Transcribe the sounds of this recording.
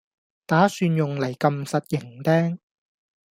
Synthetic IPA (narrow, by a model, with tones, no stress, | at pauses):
t̪aː˨˥syː˧njʊ˨ŋlɐ˨˩jkɐ˧msɐ˨t̚jɪ˨˩ŋt̪ɛː˥ŋ